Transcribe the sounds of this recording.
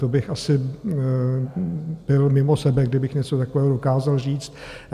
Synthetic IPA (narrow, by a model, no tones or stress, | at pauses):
t̪obɪxʔasɪ | b̥ɪlmɪmosɛbɛɡdɪbɪxɲɛt͡sot̪ako̞vɛːɦodo̞kaːzalriːt͡st̪̚